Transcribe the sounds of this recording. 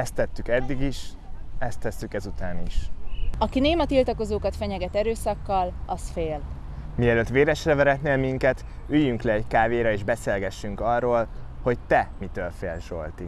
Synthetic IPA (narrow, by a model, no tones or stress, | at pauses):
ɛst̪ːɛt̪ːykɛd̪ːiɡiʃ | ɛst̪ːɛsːykɛzut̪aːniʃɒkineːmɒt̪ilt̪ɒko̞zoːkɒt̪fɛɲɛɡɛt̪ɛɾøːsɒkːɒlɒsfeːl | miɛløːt̪ʋeːɾɛʃrɛvɛɾɛt̪neːlmiŋkɛt̪ | yjːyŋklɛːckaːveːɾɒeːʒbɛseːlɡɛʃːyŋkɒrːoːlho̞ct̪ɛmit̪øːlfeːlʃo̞̰lt̪i